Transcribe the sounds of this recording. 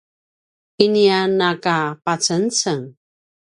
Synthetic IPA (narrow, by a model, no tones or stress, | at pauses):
inianːakapat͡sənt͡səŋ